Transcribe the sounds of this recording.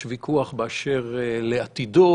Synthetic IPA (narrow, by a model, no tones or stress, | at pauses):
vikʰuaχbeaʃeʁleat̪id̪o